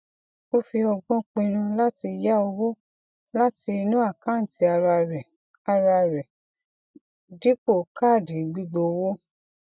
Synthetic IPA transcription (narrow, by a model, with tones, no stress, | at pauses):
o˦fi˧ɔ˧ɡ͡bɔ̃˦k͡pĩ˧ñã˧la˦ti˧ja˦o˧wo˦ | la˦ti˧i˧nũ˦a˦˨kã˦n̩˨ti˧a˧ɾa˧ɾɛ˨ | a˧ɾa˧ɾɛ˨ | di˦ko˦˨ka˦˨di˨ɡ͡bi˦ɡ͡bo˧wo˦